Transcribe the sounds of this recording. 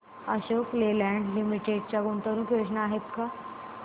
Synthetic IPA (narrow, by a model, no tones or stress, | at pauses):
aɕoklelæ̃ɳɖlimiʈeɖt͡ɕjaɡunt̪əɾũkjoɕnaːɦep̪ka